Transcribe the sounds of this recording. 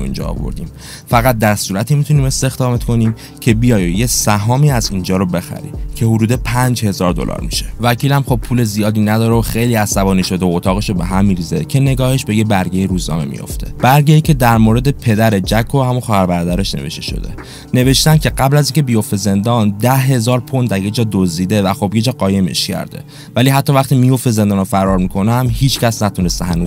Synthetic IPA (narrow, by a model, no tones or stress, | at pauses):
ḭnd͡ʒɒ̰ːvo̰ɾd̪ḭːm | fæɣæt̪̚d̪æɾsuːɾæt̪ʰiːmit̪ʰuniːme̞st̪e̞xd̪ɒːme̞t̪ko̞niːm | cʰe̞bijɒːjjesæɦɒːmiːæziːnd͡ʒɒːɾobe̞xæ̰ɾḭcʰe̞hod̪uːd̪e̞pʰænd͡ʒhe̞zɒːɾd̪o̰lʔɒ̰ːɾmiʃe̥væcʰiːlæmχo̞b̚pʰuːle̞zijɒːd̪iːnæd̪ɒːɾeoxejliːæsæbɒːniːʃo̞d̪eoːt̪ʰɒːɣe̞ʃobe̞ɦæmːiːɾize̞cʰe̞ne̞ɡɒːhe̞ʃbe̞jebæɾɡejiɾuːznɒ̰ːmḛmḭjo̰ft̪ʰe̞̥b̥æɾɟejicʰe̞d̪æɾmoɾe̞d̪e̞pʰe̞d̪æɾed͡ʒækʰːohæmunxɒːhæɾbæɾɒːd̪æɾeʃne̞̰ve̞̰ʃt̪eʃo̰d̪e̞̰ | ne̞ve̞ʃt̪æncʰe̞ɢæblæziːŋcʰe̞bijo̞ft̪e̞ze̞nd̪ɒnd̪æɦe̞zɒːɾpʰond̪æɾje̞d͡ʒɒːd̪ozd̪iːd̪e̞væxobje̞d͡ʒɒːɢɒːje̞mḛʃcʰæ̰ɾd̪e̞̰ | væliɦæt̪ʰːɒːvæχt̪imijo̞ft̪e̞ze̞nd̪ɒːnofæɾɒːɾmikʰo̞næmhiːt͡ʃʰcæsnæt̪ʰunest̪eɦænuːz